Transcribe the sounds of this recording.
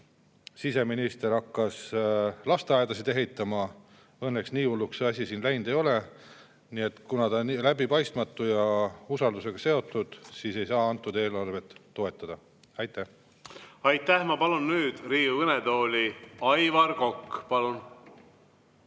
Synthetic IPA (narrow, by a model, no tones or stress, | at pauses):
sise̞minist̪e̞ɾɑkːɑslɑst̪eɑed̪ɑsid̪eɦe̞jt̪ːˑɑmɑ | ɤnːe̞ksniːulːukseɑsʲisiːnlæjnd̪̥e̞jo̞le | nie̞t̪ːkunɑt̪ɑnlæbipɑjst̪mɑt̪ːˑujɑusɑld̪use̞ɡ̥ɑse̞o̞t̪ːˑud̪̥siːse̞jsɑːɑnt̪ːˑud̪e̞ːlɑrve̞t̪ːo̞e̞t̪ˑːɑd̪̥ɑ | ɑjt̪ːˑæh | ɑjt̪ːæhmɑpɑlunːyːd̪̥riːuɯned̪o̞ːlʲiɑjvɑɾko̞kːpɑlun